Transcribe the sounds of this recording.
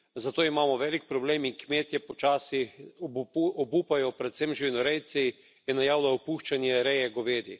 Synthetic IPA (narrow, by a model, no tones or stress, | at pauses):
zat̪oːimaːmɔʋɛːlik̚pɾɔbleːmiŋkmeːt̪jɛpɔt͡ʃaːsi | ɔbuːpajɔpɾɛt̪semʒiʋinɔɾɛjt̪si | jɛnajaːwlaɔpuːʃt͡ʃanjɛɾɛjɛɡoʋeːd̪i